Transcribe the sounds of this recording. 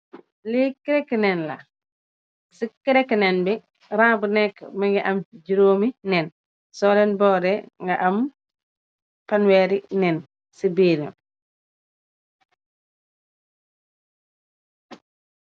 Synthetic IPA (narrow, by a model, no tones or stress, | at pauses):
likiɾɛkːnɛnla̰ | sikiɾɛkːnɛnbi | ɾãːbunɛkːmaŋɡiʔɐmd͡ʒiɾoːminɛn | sɔlɛnbɔːɾɛŋɡaʔam | panwɛːɾinɛn | sibiːɾɛ̰